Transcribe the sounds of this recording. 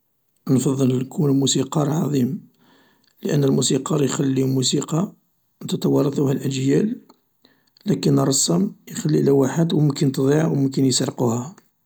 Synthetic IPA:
nfɑðˤːəlkʰunlmusiqɑɾˤʕɑðˤim | ləʔənːəlmusiqɑɾˤjxælːimusiqɑ | nt̪ɑt̪ɑwɑrˤːɑt̪ˤuhælʔəʒjæl | ækənːəɾˤːɑsˤːəmjxælːilæwaħəd̪wmʊmkənt̪d̪ˤiʕwmʊmkənjsɾˤquhæ

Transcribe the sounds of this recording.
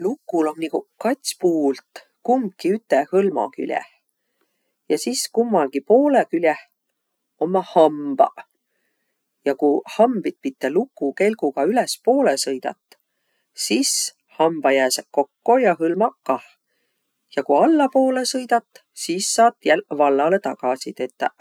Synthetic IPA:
lukːˑulo̞mnikukɑt̪ʲsʲpuːlt̪ | kum̚kiyt̪ːˑehɤlmɑ̰ky̰lʲjḛh | jɑsiskumːɑlɡ̥ipo̞ːlekylʲjeh | o̞mːɑhɑmb̥ɑ̰ | jɑkuhɑmbit̪̚pit̪ːelukːˑuke̞lɡ̥uɡ̥ɑylespo̞ːlesɤjd̪̥ɑ̰t̪ːˑ | sis | hɑmb̥ɑjæːseko̞kːo̞jɑɦɤlmɑkːɑh | jɑkuɑlːɑpo̞ːle̞sɤjd̪ɑt̪ːˑ | siːsːɑːt̪ːjælvɑlːɑle̞t̪ɑkɑsit̪e̞t̪ˑːɑ

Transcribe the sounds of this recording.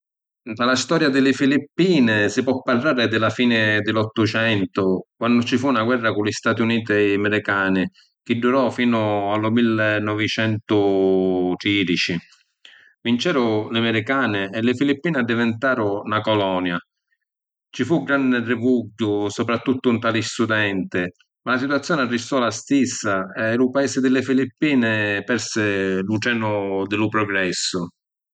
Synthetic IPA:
d̪alast̪ɔːɾjad̪ɪlɪfilipːiːnɪsɪpwɔpːarːaːɾɪd̪ɪlafiːnɪd̪ɪlɔt̪ːʊt͡ʃɛnt̪ʊkwanːʊt͡ʃifunaɡwɛrːakʊlist̪aːt̪iuniːt̪ɛmɪɾikaːnɪ | k̟ɪdːuɾɔfiːnʊalʊmilːnːɔvit͡ʃɛnt̪ʊ | t̪ɾiːd̪it͡ʃi | vint͡ʃɛːɾʊlɪmɪɾikaːnɪɛlɪfilipːiːnɪad̪ːivɪnt̪aːɾʊnakɔlɔːnja | t͡ʃifuɡɾanːɪrɪvuɡːʊsɔpɾat̪ːut̪ːʊnt̪aːlist̪ud̪ɛnt̪ɪ | malasit̪wat̪sːjɔːnɪarːist̪ɔlast̪isːaɛlupaɛːsɪd̪ɪlːɪfilipːiːnɪpɛɾsɪluʈɛːnʊd̪ɪlʊpɾɔɡɾɛsːʊ

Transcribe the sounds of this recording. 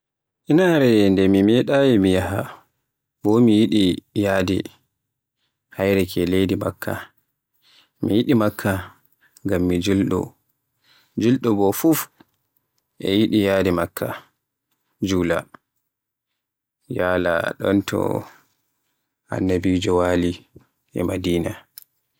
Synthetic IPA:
ʔinaɾɛndɛmimɛɗajɛmijaha | bɔmijiɗijaːdḭ | hajɾɛkʰɛlejdima̰kʰːa̰ | mijiɗimakʰːa | ŋɡamːid͡ʒulɗɔ̰ | d͡ʒulɗɔbɔfuf | ʔɛ̰jiɗijaːdɛmakʰːa | d͡ʒuːla̰ | jaːla̰ɗɔ̰ntɔ̰ | a̰nːabid͡ʒɔwali | ɛ̰madiːna

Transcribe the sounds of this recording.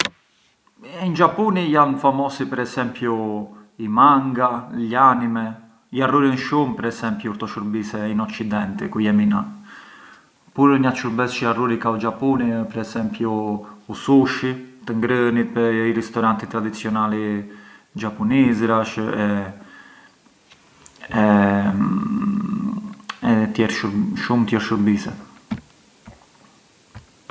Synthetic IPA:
ind͡ʒapunijanfamɔsipɛɾɛsɛmpjuimaŋɡaʎanimɛ | jaruɾinʃumpɛɾɛsɛmpjuuɾt̪ɔʃuɾbisɛinɔt͡ʃːid̪ɛnt̪ikujɛmina | puɾəɲatt͡ʃuɾbɛsʃiaruɾikaud͡ʒapunipɛɾɛsɛmpjuusuʃit̪əŋɡɾənit̪pɛiɾɛst̪ɔɾant̪it̪ɾad̪it͡sjɔnali | d͡ʒapunizɾaʃɛ | ɛ | ɛt̪jɛɾʃuʃumt̪jɛɾʃuɾbisɛ

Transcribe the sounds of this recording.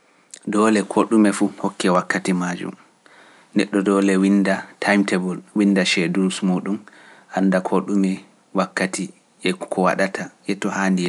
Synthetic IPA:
dɔːlɛkʰoɗumɛfuhɔkːɛwakːatimad͡ʒṵm | nɛɗːɔdɔlɛwindatʰajmtɛbɔlwindaʃɛdulsmuːɗum | ʔandakʰoɗumɛ | wakːati | ɛkʰɔwa̰ɗatʰajɛtɔhaːndiɛ

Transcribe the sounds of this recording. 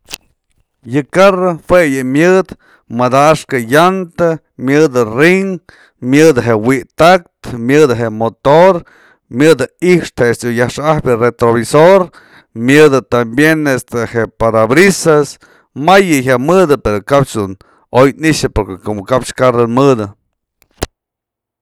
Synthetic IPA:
jɨkarahwejɨmjɨd̪ | mad̪aʂkajant̪a | mʲjɨd̪ɨriŋ | mjɨd̪ɦewiʔt̪ak̚t̪mjɨd̪ɦeʔmot̪oɾ | mjɨd̪ɨihʂt̪hest̪ujahʂahbʲjɨret̪ɾoβisoɾ | mjɨd̪ɨt̪ambjenest̪eheʔpad̪abɾisas | majɨçaʔmɨd̪ɨpeɾokapt͡ʃd̪un | ojniʂɨpoɾkekumkapʂkarɨnmɨd̪ɨ

